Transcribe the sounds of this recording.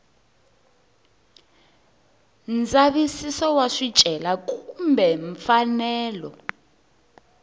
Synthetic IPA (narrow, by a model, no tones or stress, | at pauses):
nd͡zaβisisɔwaʂi̥t͡ʃʼɛlakʼumbʱɛɱfanɛːlɔ̰